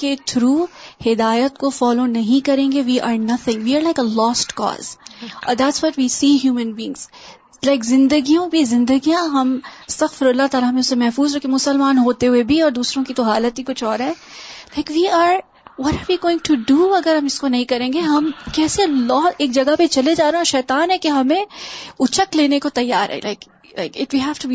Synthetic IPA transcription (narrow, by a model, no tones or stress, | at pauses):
ket̪ʰɾuːhɪd̪aːjət̪kofɔːlonɐɦĩkɐɾẽːŋɡeʋiːʔa̰ːɾnɐt̪ʰɪ̃ŋʋiːaːɾlaɪkəlɔːsʈkɔ̰ːz̥ɔ̰ːd̪æʈsʋɔʈʋiːsiːɦjuːmə̃nbiɪ̃ŋz̥ | laɪkzɪ̃nd̪əɡijõbʱizɪ̃nd̪əɡijãɦɐmɪst̪ɐɣfɪɾɐlːat̪aːlaɐmẽʊsemɛɦfuːzɾɐkʰːẽmʊsəlmaːnɦoːt̪eɦʊebʱiɔːɾd̪uːsɾõkit̪oɦaːlət̪ɦikʊt͡ʃʰɔːɾɦɛlaɪkʋiːaːɾ | ʋɔɾaːɾʋiːɡoːɪ̃ŋʈuɖuːɐɡəɾɦɐmɪskonɐɦĩkɐɾẽːŋɡeɦɐmkɛːselɔːeːk̚d͡ʒɐɡapet͡ʃɐled͡ʒaːɾeẽɔʃɛːt̪aːnɦɛkeɦɐmẽʊt͡ʃəkleːnekot̪ɐjːaːɾɦɛ̰lʔa̰ɪk | la̰ɪkɪʈʋiɦæːfʈubi